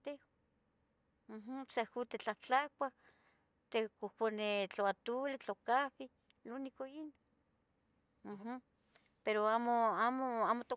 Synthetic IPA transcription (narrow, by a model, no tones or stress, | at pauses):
t̪eo | m̩ɦsakut̪et͡ɬaht͡ɬak̚ʷa | t̪ekokʷonet͡ɬoat̪ulit͡ɬokaβi | lunikoino | m̩ɦ | peɾoamoamoaːmot̪o